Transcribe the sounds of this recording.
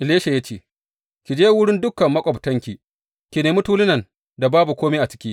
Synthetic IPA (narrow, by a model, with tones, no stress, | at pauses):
ʔɪ˨leː˦ʃa˨ja˦t͡ʃeː˦˨ | kʲi˨d͡ʒeː˦wʊ˦ɽɪ˦ndʊ˦kːɐ˨mːɐ˦kʷʼɔ˨btɐ˦ŋkʲi˨ | kʲi˨neː˨mʊ˦tuː˦lɪ˦nɐ˨n | da˨baː˦bu˨kʷoː˦meː˦ʔa˨t͡ʃɪ̥˦kʲiː˦